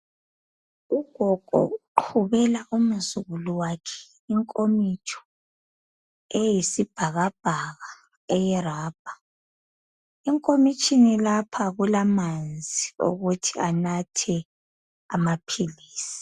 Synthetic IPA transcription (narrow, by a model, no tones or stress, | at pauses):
uɡ̥ʱɔɡ̥ʱɔ̰uǃʰuβɛlaʔum̩zuɣuluwakʰɛ̥ | iŋkʼomit͡ʃʰɔ̥ | ɛjisib̥ʱaɣab̥ʱaɣa | ɛjɛraːb̥ʱa | iŋkʼomit͡ʃʼinilapʰaɣulamand͡zʱio̰ɣutʰianatʰɛ | a̰mapʰiliːsi̥